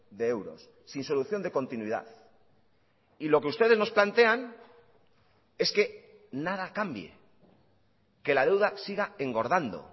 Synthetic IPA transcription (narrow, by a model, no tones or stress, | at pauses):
d̪e̞e̞wɾo̞̰sːinso̞luθjo̞nd̪e̞ko̞nt̪inwiða̰θ | ilo̞ke̞ust̪eðeno̞splant̪e̞an | e̞ske̞ | nað̞akambjḛ | ke̞lað̞e̞wðasiɣae̞ŋɡo̞ɾðand̪o̰